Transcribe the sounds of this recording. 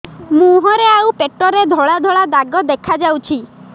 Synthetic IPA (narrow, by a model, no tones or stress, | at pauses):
mũɦɔɾeawpeʈɔɾed̪ʱɔɭad̪ʱɔɭad̪aɡɔd̪ekʰad͡ʒawt͡ʃʰi